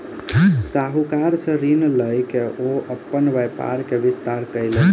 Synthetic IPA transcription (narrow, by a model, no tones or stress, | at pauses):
saɦukaɾsə̃ɾinləjkeʔoəpːənʋəjpa̰ɾkeʋist̪aɾkəjlə